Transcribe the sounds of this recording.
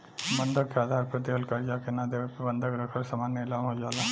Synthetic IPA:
mənd̪ʱəkkead̪ʱaɾpɾət̪iɦəlkaɾd͡ʒakenad̪eʋepebə̃nd̪ʱəɡɾəkʰəɾsamaːnːjəɪlamɦod͡ʒaːla

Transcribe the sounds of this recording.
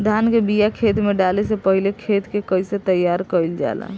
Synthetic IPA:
d̪ʱankebijakʰet̪meɖalesepəɦilekʰet̪kekəiset̪əjaɾkəɪld͡ʒa̰la̰

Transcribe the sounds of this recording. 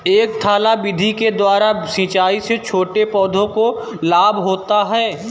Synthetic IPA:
eːk̚t̪ʰaːlabɪd̪ʱiked̪waːɾasĩːt͡ʃaːiset͡ʃʰoːʈepɔːd̪ʱõko | laːbɦoːt̪aɦɛː

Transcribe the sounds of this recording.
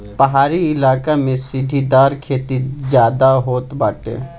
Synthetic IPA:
pəɦaːɾiɪlaːkamẽsɪd̪ʱid̪aːɾkʰeːt̪id͡ʒjaːd̪aɦoːt̪baːʈḛː

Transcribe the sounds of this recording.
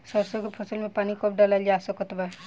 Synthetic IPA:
sɔɾsɔkepʰɔsəlmepanikɔpʰɖalald͡ʒaːsɔkɔt̪ba

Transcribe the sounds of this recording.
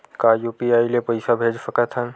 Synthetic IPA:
kaːjuːpiaːilepɐɪsabʱeːd͡ʒsəkət̪ʰən

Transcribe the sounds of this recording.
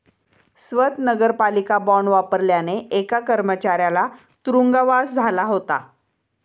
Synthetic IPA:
sʋət̪nəɡəɾpalikabɔɳʋapəɾljaneekakəɾmət͡ɕaɾjala | t̪ɾuŋɡaʋasd͡zʱalaɦot̪a̰

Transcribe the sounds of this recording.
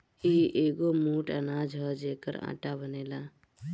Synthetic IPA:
iːʔeːɡomũːʈənaːd͡ʒɦəd͡ʒeːkə̰ɾa̰ːʈabəneːlaː

